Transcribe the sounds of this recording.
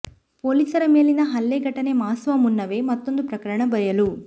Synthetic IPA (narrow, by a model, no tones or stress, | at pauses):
poːliːsɐɾɐmeːlinɐɦɐlːeːɡɐʈːɐneːmaːsʋɐmunːɐʋe̞ːmɐt̪ːond̪upɾɐkɐɾɐɳɐbɐjɐlu